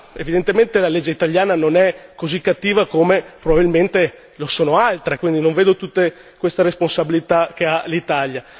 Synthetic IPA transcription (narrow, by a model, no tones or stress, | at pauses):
evid̪ent̪ement̪elaled͡ʒːeit̪aljaːnanonɛkozikːat̪ːiːvakomepɾobabilment̪e | losoːnoalt̪ɾekwind̪inoɱveːd̪ot̪ut̪ːe | kwest̪aɾesponsabilit̪ak̟ealit̪alja